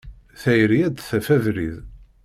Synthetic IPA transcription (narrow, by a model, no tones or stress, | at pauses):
θæjɾiæd̪θæfævɾið